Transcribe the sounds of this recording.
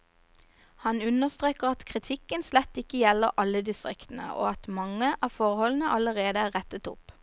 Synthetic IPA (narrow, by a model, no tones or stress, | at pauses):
hɑnʉnəʁst̪ʁeːkəʁɑt̪kʰʁɪt̪ʰɪkənslɛt̪ːɪkəjɛləʁʔɑləd̪ɪst̪ʁɪkt̪n̩ə̰o̰ːɑt̪mɑŋəʔɑːfɔʁhɔln̩əʔɑləʁeːd̪əæːʁɛt̪ət̪ʊ̰p